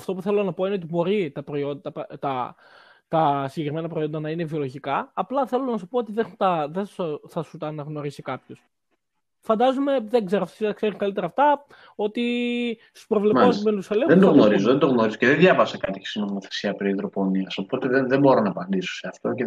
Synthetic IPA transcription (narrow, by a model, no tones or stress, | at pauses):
ɐft̪o̞puθe̞lonɐpo̞ine̞ot̪ibo̞ɾit̪ɐpɾo̞io̞nd̪ɐpt̪ɐ | t̪ɐsiɲɟekɾime̞nɐpɾo̞io̞nd̪ɐnɐinevio̞lo̞ʝikɐɐplɐθelonɐsupoot̪iðexunt̪ɐðesθɐsut̪ɐːnɐɣno̞ɾisikɐpço̞s | fɐnd̪ɐzumeðeɡze̞ɾoɐft̪siɐkseɾikɐlit̪e̞ɾɐːft̪ɐ | o̞t̪isuspɾovleɐzumelusɐleðend̪oɣnoɾizoðend̪oɣno̞ɾizoceðenðʝɐvɐsekɐt̪içe̥st̪ino̞moθe̞̥siɐpɾiðɾopo̞niɐso̞po̞t̪eðeðembo̞ɾonɐːpɐnd̪iso̥seɐft̪o̞ce